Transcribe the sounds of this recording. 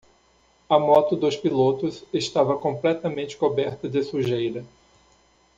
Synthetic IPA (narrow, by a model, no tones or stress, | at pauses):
ɐmɔt̪ʊd̪ʊspilot̪ʊsest̪avɐkõmplɛt̪ɐmẽnt͡ʃɪ̥kobɛɾt̪ɐd̪ɪsuʒejɾɐ